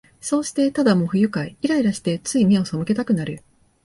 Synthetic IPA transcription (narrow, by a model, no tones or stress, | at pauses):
so̞ːɕi̥t̪e̞t̪ad̪amo̞ɸɯ̟jɯ̟kaiiɾaiɾaɕi̥t̪e̞t͡sɨimʲeo̞so̞mɯ̟ke̞t̪akɯ̟naɾɯ̟